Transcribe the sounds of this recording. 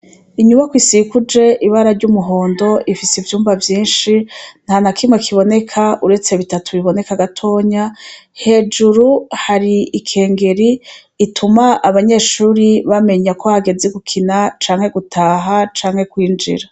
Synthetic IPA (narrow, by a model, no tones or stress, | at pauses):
iɲumakwisikud͡ʒe̞ʔiβaɾaɾɟumuɦo̞ːndo̞ʔifisivjuːmbavjiːnʃin̥hanakʰimŋekʰiβo̞ne̞kʰaʔuɾe̞t͡se̞βitatʰuβiβo̞ne̞kaɡatʰo̞ːɲahe̞ːd͡ʒuɾuhaɾiikʰe̞ːŋɡe̞ɾiː | tʰumaʔaβaɲe̞ːʃuːɾiβame̞ɲakʰo̞haɡe̞zeɡukʰinat͡ʃaːŋhe̞ɡutʰaːɦat͡ʃaːŋhe̞kwiːnd͡ʒḭɾa